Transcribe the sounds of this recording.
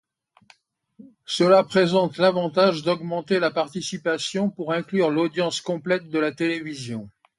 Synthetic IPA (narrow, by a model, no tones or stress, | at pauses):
səlapχezɑ̃t̪lavɑ̃t̪aʒd̪ɔɡmɑ̃t̪elapaʁt̪isipasjɔ̃puʁɛ̃klyʁlod̪jɑ̃skɔ̃plɛt̪̚d̪əlat̪elevizjɔ̃